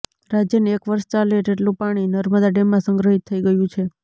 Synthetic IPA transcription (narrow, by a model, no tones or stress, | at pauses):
ɾad͡ʒjəneekʋəɾʃt͡ʃaled͡ʒeʈlũpaɽ̃inəɾməd̪aɖemːãsəŋɡɾəɦit̪ʰːəiɡəjũt͡ʃʰe